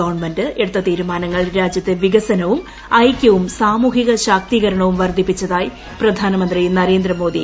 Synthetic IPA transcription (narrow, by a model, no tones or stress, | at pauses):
oːrɳmendɨeɽut̪ːɐt̪iːɾumaːnɐŋːɐɭɾaːd͡ʑjɐt̪ːeʋiɡɐsɐnɐʋum | ɐjkʲːɐʋumsaːmuːɦiɣɐɕaːk̚t̪iːɣɐɾɐɳɐʋumʋɐrd̪ʱipːit͡ɕːɐðaːji | prɐd̪ʱaːnɐmɐnd̪rinɐɾe̞ːnd̪rɐmo̞ːd̪ʱḭ